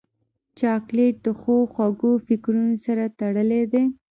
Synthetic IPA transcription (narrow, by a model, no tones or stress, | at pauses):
t͡ʃɑkleʈ̚d̪əxoxwaɡofɪkɾunosaɾat̪aɽəled̪e